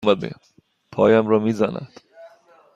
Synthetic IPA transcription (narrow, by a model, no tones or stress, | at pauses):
mæd̪̚bḛ | pʰɒːjæmɾɒːmiːzænæ̰d̪̥